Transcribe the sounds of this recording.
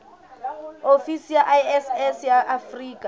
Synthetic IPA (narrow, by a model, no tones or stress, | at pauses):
ofisijaʔajɛsɛsjaʔafriːkʼa